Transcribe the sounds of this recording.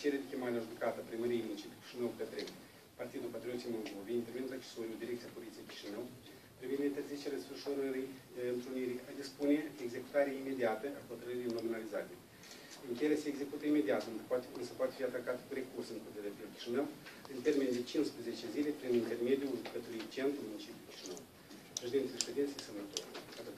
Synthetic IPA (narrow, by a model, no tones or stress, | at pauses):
t͡ʃeɾed̪ekʲemaɾʲeaʒukat̪əapɾiməɾijemunit͡ʃit̪kʲi̥ʃinəwpet̪ɾe | part̪id̪ulpat̪ɾʲio̞t̪siejmo̞lˠd̪oveint̪ermeud̪akt͡ʃe̥soɾiuld̪iɾekt̪sijapolit̪sieekʲi̥ʃinəw | pɾivind̪eint̪erzit͡ʃeɾʲafəʃoɾəɾi | ɨnt̪ɾuniɾiad̪ispuneeɡze̞ku̥t̪aɾʲaime̞d̪iat̪əʔakot̪ɾəɾijnominaliza̰t̪ʲe | ɨŋkʲeeleseeɡze̞kut̪əime̞d̪iat̪nɨnsəpoat̪efiat̪akat̪kuɾekursɨnpot̪iad̪epekʲi̥ʃinəwɨnt̪ermind̪et͡ʃinspɾezet͡ʃezilʲepɾinint̪ermed̪ʲiulkət̪uit͡ʃent̪ɾumunit͡ʃipʲjulkʲi̥ʃinəw | pɾeʃid̪ent̪elʲest̪ed̪ensiejsənːat̪oɾkat̪